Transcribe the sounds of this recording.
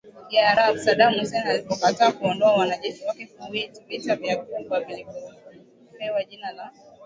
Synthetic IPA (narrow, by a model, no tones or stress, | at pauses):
iaɾabsaɗamhusɛnalipɔkataːkuɔndɔawanaʄɛʃiwakɛkuwɛtumitaviaɡubwaviliku | pɛwaʄinala